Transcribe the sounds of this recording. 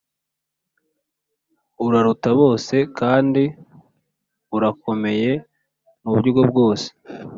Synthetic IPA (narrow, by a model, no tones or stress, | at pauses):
uɾaɾutaβo̞ːse̞kaːndi | uɾako̞me̞je̞ | muβjuɡo̞bɡo̞ːse̥